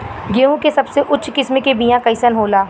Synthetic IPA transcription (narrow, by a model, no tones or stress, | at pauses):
ɡeːũkesɐbseʔʊtːʃʰkɪsmekebiːjãkɐɪsənɦoːlaː